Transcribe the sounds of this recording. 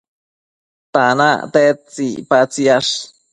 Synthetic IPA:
t̪ana̰t̪et͡sḭpat͡siaʂ

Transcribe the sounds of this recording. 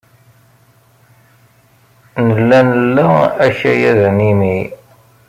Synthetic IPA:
nəlːænəlːææʃæjæðnimi

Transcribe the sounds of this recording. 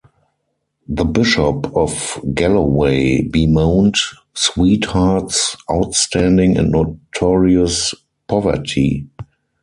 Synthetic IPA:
ðəbɪʃɔpɔfɡɛləweɪbimãʊ̃nt | swiːthatsʔaʊtstʰæ̃ndɪ̃ŋɛ̰̃ntnotʰɔɹiəs | pʰɔvə̰˞tʰḭ

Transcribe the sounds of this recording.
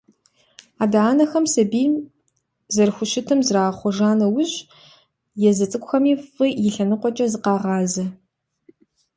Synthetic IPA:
aːdaːnɐxɐmsɐbiː | zɐrxʷʊʃɪtʰɨmzraːχʷɔʒaːnɐwʊɕ | jɛzɐt͡sʼɨkʷʊxɐmiːfɨjɪɬɐnɨqʷɔt͡ʃʼɐzɨqɑːʁɑːzɐ

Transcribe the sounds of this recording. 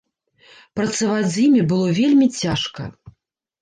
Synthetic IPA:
pɾɐt̪sɐvad͡zʲzʲjimʲibɨlˠɔvʲelʲmʲit͡sʲaʂkɐ̰

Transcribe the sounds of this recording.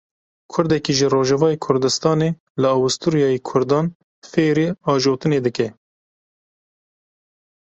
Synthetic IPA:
kʰʊɾd̪ɛkiːʒəroːʒɛvɑːjekʰʊɾd̪ɨst̪ɑːneː | lɨɑwust̪uɾijɑːjekʰʊɾd̪ɑːn | feːɾiːɑːʒoːt̪ɨneːd̪ɨkɛ

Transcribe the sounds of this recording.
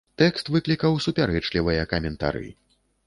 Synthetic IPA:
t̪ɛkst̪vɨklʲikɐwsupʲaɾɛt͡ʂlʲivɨjɐkɐmʲɛnt̪a̰ɾɨ̰

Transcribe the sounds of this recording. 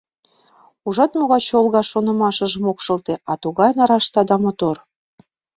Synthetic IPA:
uʒɑt̪moɣɑt͡ɕolˠɣɑʃonɤ̆mɑʃə̆ʒə̆mokʃɤ̆lt̪eʔɑt̪uɣɑjnɑɾɑʃt̪ɑd̪ɑmot̪or

